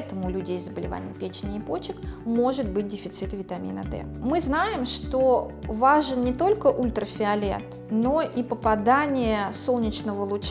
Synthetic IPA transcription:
t̪əmʊlʲʉdʲejzəbəlʲɪva̰nʲɪ̰jəpʲet͡ɕɪnʲɪːpot͡ɕɪkmo̞ʐɨt̪̚bɨt̚ʲdʲɪfʲɪt̪sɨt̪vʲɪt̪ɐmʲḭnə̰d̪ɛ̰ | mɨznajɪmʂt̪o̞ | vaʐənnʲɪt̪o̞lʲkəʔulʲt̪ɾəfʲɪɐlʲḛt̪ | no̞ʔipəpɐd̪anʲɪjəso̞lˠnʲɪt͡ɕnəvəlˠʊt͡ɕ

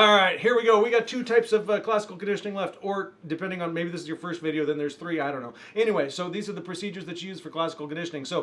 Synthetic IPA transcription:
ɔɹaɪt̚hiɹwiɡoʊwiɡɑtʰʉtʰaɪpsʌvkʰl̥æsə̥kl̩ˠkɨ̃ndɪʃɨnɪ̃ŋlɛftə˞dɨpʰɛ̃ndɪ̃ŋə̃nmeɪbiðɪsɨzjə˞fɜ˞stvɪɾioʊðɨ̃nðə˞z̥θɹiaɪɾõʊ̃nːoʊɛñiweɪsoʊðizə˞ðəpʰɹ̥ɨsid͡ʒə˞zðɨt͡ʃɨjʉz̥fə˞kʰl̥æsə̥kl̩ˠkɨ̃n̩dɪʃnɪ̃ŋsoʊ

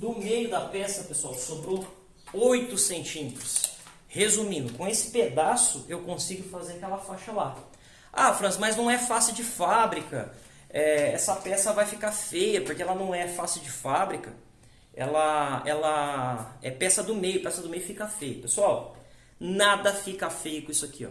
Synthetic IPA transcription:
d̪ʊmejʊd̪ɐpɛsɐpesuawsobɾow | ojt̪ʊsẽnt͡ʃĩmet̪ɾʊ̥s | hezũmĩnd̪ʊkõesɪ̥ped̪asʊewkõsiɡʊfazeɾɐkɛlɐfaʃɐla | a̰fɾɐ̃smɐjznɐ̃w̃ɛfasɪwd͡ʒɪfabɾikɐ̰ | ɛɛsɐpɛsɐvajfikaɾfejɐpoɾkeɛlɐnɐ̃w̃ɛfasɪwd͡ʒɪfabɾikɐ | ɛ̰lɐɛlɐ | ɛpɛsɐd̪ʊmejʊpɛsɐd̪ʊmejʊfikɐfejʊpesuaw | nad̪ɐfikɐfejʊkõisʊakiɔ̰

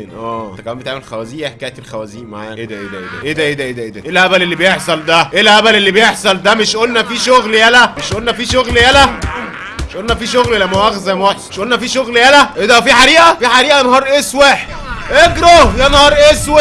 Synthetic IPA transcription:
nʔæːt̪ːækælːæmbet̪aʕmelxæwæziːjæħkæːjt̪elxæwæziːnma̰ʕa̰ːʔed̪æʔḛd̪æʔḛd̪æ̰ʔed̪æʔed̪æʔed̪æʔed̪æʔelʔæbælelːibejeħsˤɑld̪æʔelʔæbælelːibejeħsˤɑld̪æmeʃʔolnæfiːʃoɣljælæmeʃʔolnæfiːʃoɣljælæ | mmeʃʔolnæfiːʃoɣllæmːæwæɣzæmwæħeʃʔolnæfiːʃoɣljælæʔed̪æfiːħaɾiːʔæfiːħaɾiːʔæenhɑːɾˤʔeːsweħʔeɡɾojænhɑɾˤʔeswe

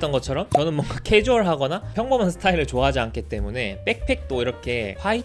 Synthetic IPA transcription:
t͈ʌnɡʌt͡ɕʰʌɾʌmt͡ɕʌnɯnmwʌŋɡakʰed͡ʑuʌɭɦaɡʌnapʰjʌŋbʌmansʰɯ̥tʰaiɾɯɭt͡ɕoaɦad͡ʑiankʰit͈e̞mune̞p͈e̞k̚pʰe̞k̚t͈oiɾʌkʰe̞ɸai

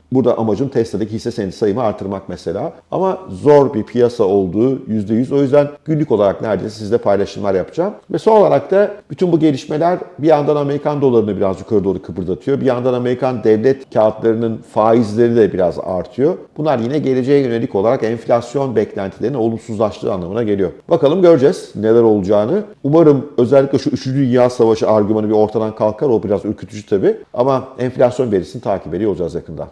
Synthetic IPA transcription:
buɾd̪aʔamad͡ʒɯmt̪ʰɛst̪ʰad̪ɯkhisːesenisajɯmɯaɾt̪ʰɯɾmakmɛse̞lʲaː | a̰mazo̞ɾbiɾpʰijasao̞lˠd̪uːjyzd̪ejyzo̞jyzd̪ænɟ̥ynlʲyko̞lˠaɾak̚næɾd̪eːsisizd̪ʲɛpʰajlˠaʃɯmlˠaɾjapʰɯ̥d͡ʒaːmvɛsono̞lˠaɾak̚t̪ʰab̥yt̪ʰynbuɟe̞lʲiʃme̞lʲæɾbijand̪aname̞ɾikʰand̪o̞lˠaɾɯnɯbiɾazd͡ʒukʰaɾɯd̪oɾˠukʰɯbɯɾɯd̪ʰat̪ʰɯjo̞bijand̪aname̞ɾikʰand̪ɛvlʲɛt̪cʰaːt̪lˠaɾɯnɯnfaːizlʲe̞ɾid̪ɛbiɾaza̰ɾt̪ʰɯjo̞b̥unlˠaɾjinɛɟe̞lʲe̞d͡ʒejɛjø̞ne̞lʲico̞lˠaɾakɛnflʲasjo̞nbɛclʲænt̪ʰilʲe̞ɾino̞lˠumsuzlˠaʃlˠɯ̰ːanlˠamɯnaɟe̞lʲijo̞bakalˠɯmɟø̞ɾd͡ʒɛz̥nelʲæɾo̞lˠud͡ʒaːnɯumaɾɯmø̞zɛlʲːiclʲɛʃuyt͡ʃʰyd̪ynjaːsavaʃɯaɾɟymanɯbio̞ɾt̪ʰad̪ankʰalˠkʰːaɾo̞biɾazylʲkcʰyt̪ʰyd͡ʒyt̪ʰabiamaɛnflʲasjo̞nve̞ɾisinit̪ʰaːcʰibeijod͡ʒazjakʰɯnd̪a̰n

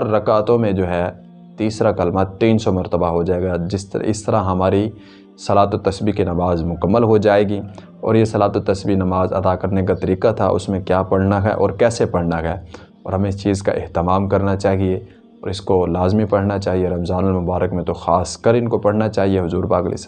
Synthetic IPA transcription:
ɐɾːɐkaːt̪õmẽd͡ʒoːɦɛ | t̪iːsɾakɐlmat̪ːiːnsɔmɐɾt̪əbaɦod͡ʒaːeːɡad͡ʒɪsɪ̰st̪əɾãɦɐmaːɾi | sɐlaːt̪ot̪ɐsbikinɐmaːzmʊkəmːəlɦod͡ʒaːeːɡi | ɔ̰ːɾjesɐlaːt̪ot̪ɐsbinɐmaːzɐ̰d̪akɐɾnekat̪ɐɾiːkat̪ʰa̰ʔʊ̰smẽkjaːpɐɽ̤naɦɛ̰ʔɔ̰ːɾkɛːsepɐɽ̤naɦɛː | ɔ̰ːɾɦɐmẽɪst͡ʃiːzka̰ʔɪɦt̪ɪmaːmkɐɾnat͡ʃaːɦie | ɔ̰ːɾɪskolaːzmipɐɽ̤nat͡ʃaːɦieɾɐmzaːnəlmʊbaːɾəkmẽt̪oxaːskəɾɪnkopɐɽ̤nat͡ʃaːɦieɦʊzuːɾpaːklɪ̰s

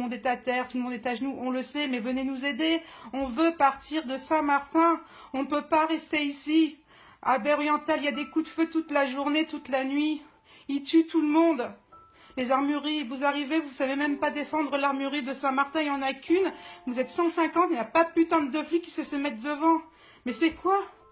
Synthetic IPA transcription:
ɔ̃d̪ɛt̪at̪ɛʁt̪ulmɔ̃d̪ɛt̪aʒnuʔɔ̃ləsɛmɛvənenuzed̪eɔ̃vøpaʁt̪ʰiʁd̪əsɛ̃maʁt̪ɛ̃ | ɔ̃pøpaʁɛst̪eisi | abɛɔʁjɑ̃t̪aliljad̪ekud̪føt̪ut̪laʒuʁnet̪ut̪lanɥi | it̪yt̪uləmɔ̃d̪ | lezaʁmyʁivuzaʁivevusavemɛmpad̪efɑ̃d̪ʁəlaʁmyʁid̪əsɛ̃maʁt̪ɛ̃ejɑ̃nakʲynvuzɛt̪sɑ̃sɛ̃kɑ̃t̪inapapyt̪ɑ̃d̪d̪əflikʲi̥səsəmɛt̪̚d̪əvɑ̃ | mɛsɛkwa

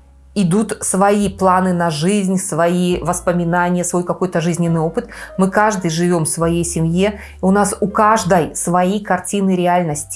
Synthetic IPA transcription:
ɪd̪ut̪svɐiplˠanɨnɐʐɨzʲnʲsvɐivəspəmʲɪnanʲɪjəsvo̞jkɐko̞jt̪əʐɨzʲnʲɪnːɨjo̞pɨt̪mɨkaʐd̪ɨjʐɨvʲo̞mfsvɐjejsʲɪmʲje | ʊnasʊkaʐd̪əjsvɐikɐrtʲinɨɾʲɪalʲnəsʲtʲɪ̥

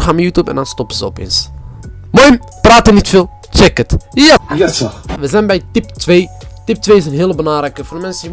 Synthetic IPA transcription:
χaːmjuːtjupɛ̰ndɑnstɔpəzəɔ̰pḛːns | mojm | praːtənitfɪlˠ | t͡ʃɛkətjɛɛʋəzɛjnbɛjtiptʋeːtip̚tʋeːɪsənɦɪːlˠəbəlaːɾəkəfodmɛnsə

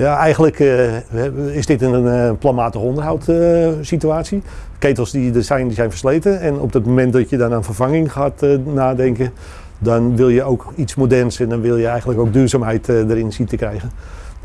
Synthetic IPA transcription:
jaɛjɣən̩lək | ɪsdɪtənplamaːtəxɔndərɦawtsityaːsi | kejtəlˠsdidərsɛjndizɛjnfərslejtənɛnɔ̰b̚dətmomɛnt̚dɔtjədɔnaːnfərvaŋɪŋχaːtnaːdɛŋkə | dɔnʋɪlˠjəowkitsmodɛrnsɛndɔnʋɪlˠjəɛjxəntləkowɡ̚dyːrzaːmɦɛjtdəɾɪnsitəkrɛjɣən

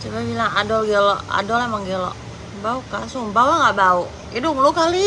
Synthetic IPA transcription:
t͡ʃababilaŋadɔɡɛlɔa̰dɔlamaŋɡɛlɔ̰ʔ | baukasubawaŋɡaʔbau | idʊŋlukali

